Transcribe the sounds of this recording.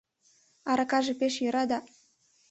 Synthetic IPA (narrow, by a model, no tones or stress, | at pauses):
ɑɾɑkɑʒĕpʲeʃjɤ̆ɾɑd̪ɑ